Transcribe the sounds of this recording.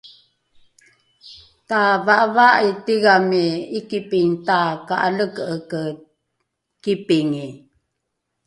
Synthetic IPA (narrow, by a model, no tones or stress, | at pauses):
tavaʔvaʔitiɡamiikipiŋtakaʔaləkəkə | kipiŋi